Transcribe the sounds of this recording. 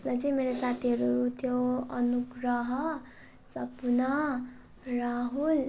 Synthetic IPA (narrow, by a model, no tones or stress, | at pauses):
smat͡sʌĩmeɾosat̪ʰiɦʌɾut̪ʰjoʌnuɡrʌɦʌ | sʌpunʌ | raɦul